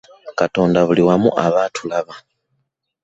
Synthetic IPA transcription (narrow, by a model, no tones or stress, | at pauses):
kato̞ːndaβuliwamṵʔaβaːtʰulaβa